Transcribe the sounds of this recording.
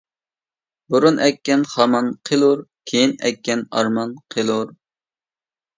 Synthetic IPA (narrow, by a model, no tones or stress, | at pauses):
buɾunʔɛkʲːɛnχɑmɑnqʰelˠuɾkʲʰejinɛkʲːɛnɑ̰ɾmɑnqʰelˠuɾ